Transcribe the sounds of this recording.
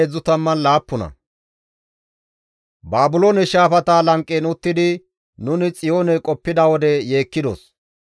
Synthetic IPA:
ezːʊt̪ɐmːɐnlaːpːʊnɐ̰ | baːbʊloːnɛʃaːfɐt̪aːlɐŋkʼːeːnʊt̪ːɪd̪ɪ | nʊnɪt͡sʼɪjo̞ːnɛkʼɔpːɪd̪ɐwɔd̪ɛje̞ːkːɪd̪ɔ̰s

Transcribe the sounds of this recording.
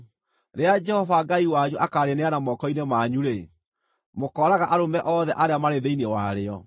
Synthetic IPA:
ɾead͡ʒɛhɔvaɡaiwaɲuʔakaːɾeneanamɔkɔinemaɲuɾe | mokɔɾaɣaʔaɾomɛʔɔðɛʔaɾeamaɾeðeinewaɾeɔ

